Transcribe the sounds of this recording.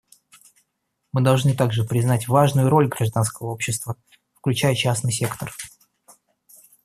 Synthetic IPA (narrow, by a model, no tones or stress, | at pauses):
mɨd̪ɐlˠʐnɨt̪aɡʐɨpɾʲɪznatʲvaʐnʊjʊɾo̞lʲɡɾɐʐd̪anskəvəo̞pɕːɪst̪və | fklʲʉt͡ɕæjət͡ɕasnɨjsʲekt̪ər